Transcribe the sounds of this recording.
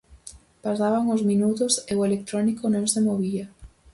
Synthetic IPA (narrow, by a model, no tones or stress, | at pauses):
pasaβaŋʊzmĩnut̪ʊseʊelek̚t̪ɾɔnikonõŋsemoβia